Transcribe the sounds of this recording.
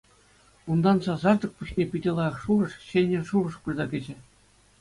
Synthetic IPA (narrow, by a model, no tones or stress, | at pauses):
und̪ɑnsɑzɑrd̪ɤ̆k̚puɕnʲepʲidʲĕlˠɑjɑ̆χʂurɤ̆ʂɕenʲĕʂurɤ̆ʂpɯrʲzɑkʲɘ̆d͡ʑɘ̆